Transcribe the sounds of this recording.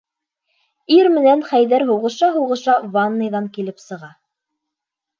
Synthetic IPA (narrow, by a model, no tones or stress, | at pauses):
iɾmɘ̆nænχæjðæɾɦuʁɤ̆ʃɑɦuʁɤ̆ʃɑvɑnːɤ̆jðɑŋkilɘpsɤ̆ʁɑ